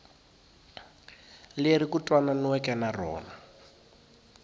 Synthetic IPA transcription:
leɾikutʼwananwɛkɛnarɔ̰ːna

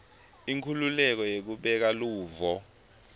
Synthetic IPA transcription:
iŋkʰululɛk̬ɔjek̬uɓɛk̬aluːvɔ

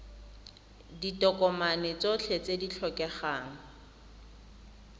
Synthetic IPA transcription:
ditʼɔkʼɔmanɪt͡sot͡ɬʰet͡sedit͡ɬʰɔkɛχaːŋ̩

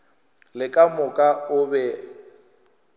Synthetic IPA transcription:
lɪkʼamʊkʼaʊbɛ

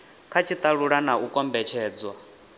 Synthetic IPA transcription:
kʰat͡ʃʰit̪ʼaɺuɺanaʔukʼɔmbɛt͡ʃʰɛːd͡zwa

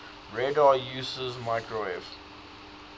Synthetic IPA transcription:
ɹɛdajuːsəzmaɪkɹoɛf

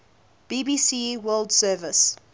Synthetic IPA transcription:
b̥iːbiːsiwɜːldsɜːvɪs

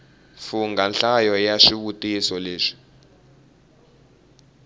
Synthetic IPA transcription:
fuŋɡʱanɬajɔjaʃiɓutʼisɔleːʂi̥

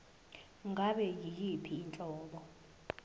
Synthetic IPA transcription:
ŋɡaɓɛjijipʰiːnt͡ɬʼɔːɓɔ

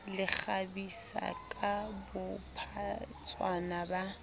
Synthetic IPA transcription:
lɪk͡xabisa̰kʼabʊpʰat͡sʼwanaba

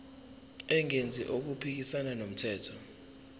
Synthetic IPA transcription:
ɛŋend͡zʱḭʔok̬upʰik̬isananom̩tʰɛːtʰɔ

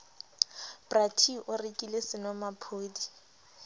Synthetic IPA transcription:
b̥ratʰiʔʊrekʼilesɪnɔmapʰoːdi

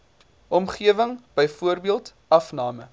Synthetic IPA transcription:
ʔɔmχiəvəŋb̥əjfuərbiəlˠt | ɐfnɑːmə

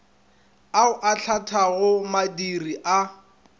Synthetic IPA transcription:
aʊʔaɬʰatʰaɣʊmadiriʔa

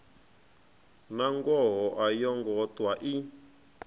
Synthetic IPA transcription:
naŋɡɔɦɔʔajɔŋɡɔtwaʔi

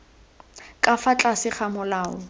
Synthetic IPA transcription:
kʼafat͡ɬʼasɪχamʊlaːʊ̰

